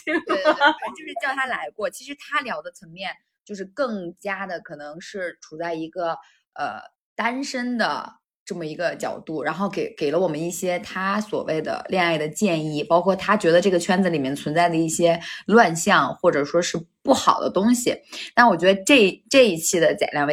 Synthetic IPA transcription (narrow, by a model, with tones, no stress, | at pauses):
t͡ɕjo˥˧ʊʂɻ̩˥˧t͡ɕjɑ˥˩ʊt̪ʰa˥la˧˥ɪkwɔ˥˩t͡ɕʰi˧˥ʂɻ̩˧˥t̪ʰa˥ljɑ˧˥ʊd̪ə˧t͡sʰɤ˧˥ŋmjɛ˥˧n | t͡ɕjo˥˧ʂ̬ɻ̩˥˧kɤ˥˩ŋt͡ɕja˥d̪ə˨kʰɤ˨˩nɤ˧˥ŋʂɻ̩˥˩ʈ͡ʂʰu˨˩t͡sa˥˩ɪi˧˥ɡə˧ | ə̰˧˩ | t̪a˥nʂə˥nd̪ə̰˨ | ʈ͡ʂɤ˥˩mə˩i˧˥ɡə˧t͡ɕjɑ̰˨˩ʊt̪u˥˩ɻa˧˥nxo˥˩ʊke˧˩ɪke˨˩ɪlə˦wɔ˨˩mə˦ni˥˩ɕjɛ˥t̪ʰa˥swɔ̰˨˩we˥˩ɪd̪ə̰˩ljɛ˥˧ŋa˥˩ɪd̪ə˩t͡ɕjɛ˥˧ni˥˩pɑ˥ʊkʰwɔ˥˩t̪ʰa˥t͡ɕɥɛ˧˥d̪ə˧ʈ͡ʂɤ˥˩ɡə˩t͡ɕʰɥɛ˥nt͡s̩˧˩li˨˩mjɛ˥˩nt͡sʰwə˧˥nt͡sa˥˩ɪd̪ə˩i˥˩ɕjɛ˥lwa˥˧nɕjɑ˥˩ŋxwɔ˥˩ʈ͡ʂɤ˨˩ʂwɔ˥ʂɻ̩˥˧pu˥˩xɑ˨˩ʊd̪ə̰˦t̪ʊ˥ŋɕḭ˨na˥˩wɔ˨˩t͡ɕɥɛ˧˥d̪ə˧ʈ͡ʂɤ˥˩i˥˩ʈ͡ʂɤ˥˧i˥˩t͡ɕʰi˥˩d̪ə˩t͡ɕja̰˨˩ljɑ˥˧ŋwe˥˩